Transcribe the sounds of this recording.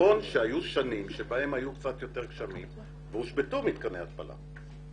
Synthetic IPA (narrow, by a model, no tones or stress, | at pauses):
o̞nʃeajuʃanimʃebahe̞mhajukt͡sat̪jo̞te̞ʁkʃamim | veuʃbetumit̪kaneat̪̚pa̰la̰